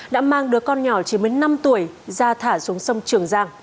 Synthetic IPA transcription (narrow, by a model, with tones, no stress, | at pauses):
ɗa̰ː˧˥maː˧ŋɗɨ˨˦əkɔ˧nɲɔ˧˩t͡ɕi˨˧˦mi˨˦na˧mt̪u˧˩əj | zaː˧t̪ʰaː˧˩su˨˦əŋsə˧wŋ͡mt͡ɕɨ˧˩əŋzaː˧ŋ